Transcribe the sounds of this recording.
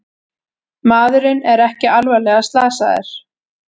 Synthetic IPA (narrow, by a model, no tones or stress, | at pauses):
maːðʏɾɪnɛɾɛhcɪalvɛlɛːɣast̪laːsaðɪ̰ɾ̥